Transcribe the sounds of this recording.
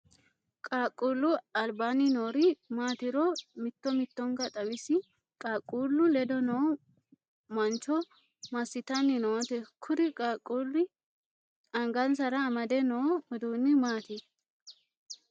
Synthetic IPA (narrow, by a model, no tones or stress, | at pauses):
kʼaːkʼuːlːʊɐlbaːnɪnoːɾɪmaːt̪ɪɾɔmɪt̪ːɔmɪt̪ːɔŋɡɐt̪ʼɐwɪsɪ | kʼaːkʼːuːlːʊlɛd̪ɔnɔ | mɐnt͡ʃɔ | mɐsːɪt̪ɐnːɪnot̪ɛkʰʊɾɪkʼaːkʼulɪ | ɐŋɡɐnsɐɾɐːmɐd̪ɛnɔɔd̪uːnːɪmaːt̪ɪ